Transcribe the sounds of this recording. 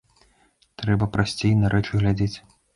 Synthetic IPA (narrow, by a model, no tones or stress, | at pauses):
t̪ɾɛbɐpɾʔasʲt͡sʲejnɐɾʔɛt͡ʂɨɣlʲad͡zʲet͡sʲ